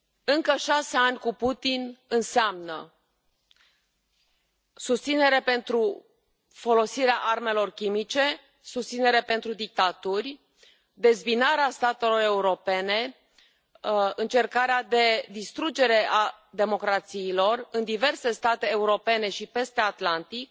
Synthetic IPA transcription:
ɨŋkəʃase̞anʲkuput̪inɨnseamnə̰ | sust̪sine̞ɾepe̞nt̪ɾu | fo̞lo̞siɾeaʔarme̞lo̞rkʲimit͡ʃe̞ | sust̪sineɾepe̞nt̪ɾud̪ik̚t̪at̪urʲ | d̪e̞zbinaɾeast̪at̪e̞lo̞re̞uɾo̞pe̞ne̞ | ɨnt͡ʃe̞rkaɾead̪e̞d̪ist̪ɾud͡ʒe̞ɾe̞ʔa | d̪e̞mo̞kɾat̪siːlo̞rɨnd̪ive̞rse̞st̪at̪e̞ːuɾo̞pe̞ne̞ʃipe̞st̪eat̪lant̪ik̚

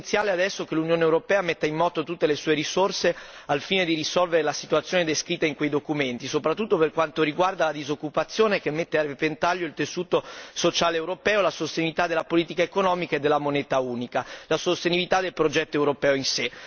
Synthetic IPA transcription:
t̪sjaːlead̪ɛsːokelunjoːnewɾopɛːamet̪ːaimːɔːt̪ot̪ut̪ːelesuːeɾisorse | alfiːned̪iɾisɔlveɾelasit̪uat̪sːjoːned̪eskɾit̪ːaiŋkwejd̪okument̪isopɾat̪ːut̪ːoperkwant̪oɾiɡward̪alad̪izokːupat̪sːjoːnekemːet̪ːearːepent̪aʎːoilt̪esuːt̪osot͡ʃaːleːwɾopɛːolasost̪enivit̪ad̪elːapoliːt̪ikaekonɔːmikaed̪ːelːamonɛːt̪auːnikalasost̪enivit̪ad̪elpɾod͡ʒɛt̪ːoewɾopɛːoinse

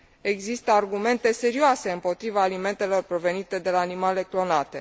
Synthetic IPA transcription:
e̞ɡzist̪əarɡume̞nt̪e̞se̞ɾioase̞ɨmpo̞t̪ɾivaːlime̞nt̪e̞lo̞rpɾo̞ve̞nit̪e̞d̪e̞laːnimale̞klo̞nat̪e̞

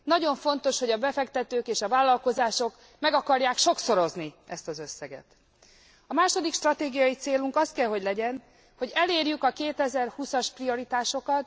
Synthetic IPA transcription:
nɒɟo̞ɱfo̞nt̪o̞ʃho̞ɟɒbɛfɛkt̪ɛt̪øːkeːʃɒvaːlːɒlko̞zaːʃo̞k | mɛɡɒkɒrjaːkʃo̞kso̞ɾozniɛst̪ɒzø̞sːɛɡɛ̰t̪ | ɒmaːʃo̞d̪ikʃt̪rɒt̪eːɡijɒit̪seːluŋkɒst̪kɛlɦo̞ɟlɛɟɛn | ho̞ɟɛleːrjykɒkeːt̪ɛzɛrhusɒʃprio̞ɾit̪aːʃo̞kɒt̪

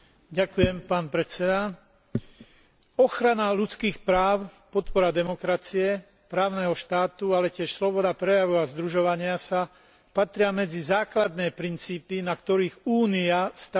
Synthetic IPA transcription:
ɟakujɛmpaːnpɾɛt͡sɛd̪a | ɔxɾanalut͡skiːxpɾaːʊpɔt̪pɔɾad̪ɛmɔkɾat͡siɛ | pɾaːʊnɛɦɔʃt̪aːt̪ualɛcɪɛʃslɔbɔd̪apɾɛjaʋuazd̪ɾuʒɔʋaɲɪasa | pat̪ɾɪamɛd͡zizaːklad̪nɛːpɾint͡siːpinakt̪ɔɾiːɣuːniast̪a

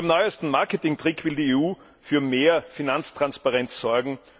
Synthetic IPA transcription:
ɪmnɔʏəstn̩maɐkətɪŋtʁ̥ɪkʰv̥ɪldiːeːuː | fyːɐmeːɐfinant͡stʁ̥anspaʁɛnssɔɐɡŋ̩

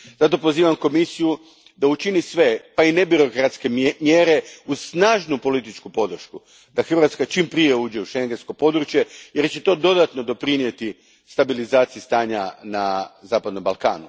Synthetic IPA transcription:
zat̪o̞po̞ziːʋamko̞misiju | d̪aut͡ʃinisʋe̞paine̞biɾo̞kɾat̪ske̞mjeːɾe̞usnaːʒnupo̞lit̪it͡ʃkupo̞d̪r̩ʃku | d̪̥axr̩ʋat̪skat͡ʃimpɾije̞uːd͡ʑe̞uʃe̞ŋɡensko̞po̞d̪ɾut͡ʃje̞je̞ɾt͡ɕe̞t̪o̞ːd̪o̞d̪at̪no̞d̪o̞pɾinje̞t̪i | st̪abilizaːt̪sijist̪aːɲanazaːpad̪no̞mbalˠka̰ːnu

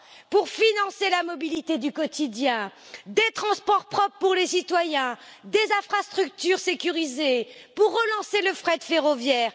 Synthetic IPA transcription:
puʁfinɑ̃selamɔbilit̪ed̪ykɔt̪id̪jɛ̃d̪et̪χɑ̃spɔʁpχɔppuʁlesit̪wajɛ̃d̪ezɛ̃fχast̪χyk̚t̪yʁsekʲyʁizepuʁːəlɑ̃seləfχɛd̪feʁɔvjɛːʁ

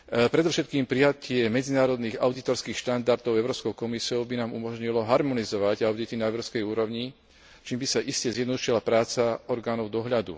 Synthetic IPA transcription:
pɾɛd̪ɔfʃɛt̪kiːmpɾijacɪɛmɛd͡zinaːɾɔd̪niːɣaʊd̪it̪ɔɾskiːxʃt̪and̪aɾt̪ɔʊɛʊɾɔːpskɔʊkɔmisiɔʊbinaːmṵmɔʒɲilɔɦaɾmɔnizɔʋaɟaʊd̪it̪inaɛʊɾɔskɛjuːɾɔʊɲi | t͡ʃiːmbisaʔiscɛzjɛd̪nɔd̪uʃilapɾaːt͡saɔɾɡaːnɔʊd̪ɔɦʎad̪ṵ

